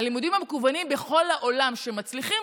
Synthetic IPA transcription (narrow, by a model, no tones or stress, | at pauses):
limud̪imhamekuvanimbeχo̞lhaʔolamʃe̞mat͡sliχim